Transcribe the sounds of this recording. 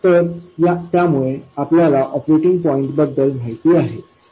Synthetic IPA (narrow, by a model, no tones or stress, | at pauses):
t̪əɾjat̪jamuɭeapljalaʔɔpɾeʈiŋɡ̚pɔĩɳʈbəd̪ːəlm̤aɦit̪iːaɦe